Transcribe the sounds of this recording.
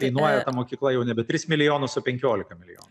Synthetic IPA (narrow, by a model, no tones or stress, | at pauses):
ɛɪnuɔjɛt̪ɐmoːkʲiːklˠɐjɛʊnʲɛbʲɛt̪ʲɾʲɪsmʲɪlʲɪjoːnʊsʊpʲɛŋʲkʲoːlʲɪkɐmʲɪlʲɪjo̰ːn